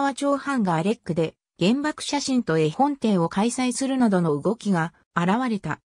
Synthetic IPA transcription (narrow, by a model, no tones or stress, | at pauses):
βat͡ɕo̞ːhãŋɡaɾe̞kːɯ̟d̪e̞ | ɡ̥ẽ̞mbakɯ̟̥ɕaɕĩnt̪o̞ehõ̞nt̪ẽ̞ɰ̃o̞kaisaisɨɾɯ̟nad̪o̞no̞ɯ̟ɡo̞kʲiɡaː | ɾaβaɾe̞t̪a̰